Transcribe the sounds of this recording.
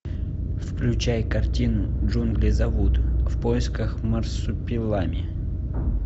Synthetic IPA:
fklʲʉt͡ɕajkɐrtʲinʊʐunɡlʲɪzɐvut̪fpojɪskəxmɐrsʊpʲɪlˠamʲɪ

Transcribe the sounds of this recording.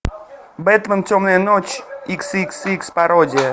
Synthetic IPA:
bɛt̪ləmtʲomnəjənot͡ɕiksiksikspɐɾodʲɪjə

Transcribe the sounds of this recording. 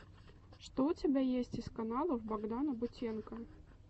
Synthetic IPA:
ʂt̪ɔut͡sʲabʲajesʲt͡sʲiskanalˠɐwbaɡd̪anɐbʊt͡sʲɛnkɐ

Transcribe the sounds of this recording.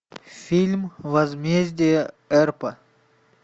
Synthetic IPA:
fʲilʲmvɐzmʲezʲdʲijə | ɛɾpə

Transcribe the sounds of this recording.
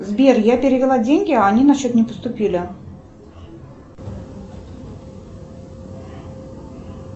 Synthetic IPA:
zbʲerjapʲɪɾʲɪvʲɪlˠadʲenʲɡʲɪaːnʲinɐɕːot̪nʲɪpə̥st̪ʊpʲilʲɪ

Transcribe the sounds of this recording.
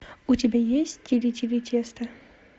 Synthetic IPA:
ʊtʲɪbʲajesʲtʲtʲɪɾʲɪtʲɪɾʲɪtʲʰest̪ɐ

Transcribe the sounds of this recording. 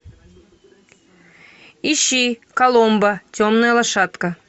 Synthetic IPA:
iɕikɐlˠombətʲomnəjəlˠɐʃɑt̪kə

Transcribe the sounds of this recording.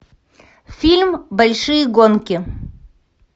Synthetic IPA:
fʲilʲmbɐlʲʂɨjəɡonkʲɪ

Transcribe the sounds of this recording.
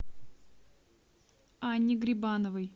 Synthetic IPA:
anʲːɪɡɾʲɪbanəvɨj

